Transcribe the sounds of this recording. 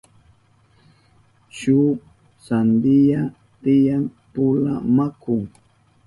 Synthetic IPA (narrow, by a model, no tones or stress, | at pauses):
t͡ʃu | sand̪ɪja | t̪ɪjanpʊla̰makʊŋ